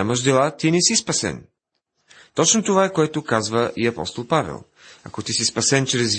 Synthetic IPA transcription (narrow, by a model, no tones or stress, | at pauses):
amɐʃd̪ɛlˠat̪inɛsispɐsɛ̰n | t̪ɔt͡ʃnot̪ovaɛkoɛt̪okazvəʔiɐpɔ̰st̪olˠpavɛ̰lˠ | ɐ̰kot̪isispɐsɛnt͡ʃɾɛz